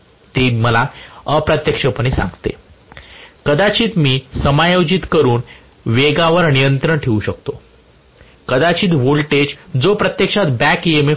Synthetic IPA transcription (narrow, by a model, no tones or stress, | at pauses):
t̪eməlaəpɾət̪jəkʂəpəɽ̃isã̰ŋɡt̪ḛ | kəd̪at͡ɕiːt̪miːsəmajod͡ʑit̪kəɾuːn | ʋeɡaʋəɾnijənt̪ɾəɳʈʰeuɕəkt̪o | kəd̪at͡ɕiːt̪ʋolʈed͡ʑd͡zopɾət̪jekʂat̪bækieme